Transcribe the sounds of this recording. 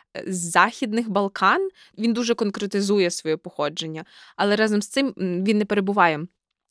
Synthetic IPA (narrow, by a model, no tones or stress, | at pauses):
zːɑxʲid̪nɪxbɐlˠkɑn | ʋʲind̪uʒɛkɔnkɾet̪ɪzujɛsʋɔjɛpɔxɔd͡ʒenʲːɐɐlˠɛɾɑzɐmst̪ɪmʋʲinːɛpeɾebʊʋɑjɛ